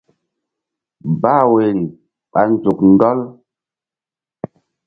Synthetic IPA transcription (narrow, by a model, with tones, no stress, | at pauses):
ba˦˨we˨li˨ | ɓa˨n˦d͡zu˨kn˦dɔ˦l